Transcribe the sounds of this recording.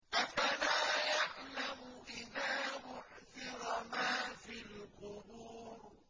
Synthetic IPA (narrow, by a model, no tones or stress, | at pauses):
ʔafalaːjaʕlamʊʔɪðaːmʊʕθɪɾmaːfilqʊbuːɾ